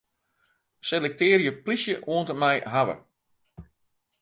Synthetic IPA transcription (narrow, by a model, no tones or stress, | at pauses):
selɛk̚tɪːɾjəplisjəʔuəntəmɛjɦaʋə̰